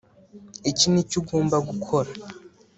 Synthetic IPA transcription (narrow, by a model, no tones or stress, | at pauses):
icinicuɡo̞ːmbaɡukʰo̞ɾa